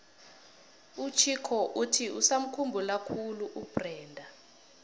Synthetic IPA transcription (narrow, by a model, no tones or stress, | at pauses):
ut͡ʃʰikʰɔʔutʰiusam̩kʰumbʱulakʰuluʔub̥rɛːndʱa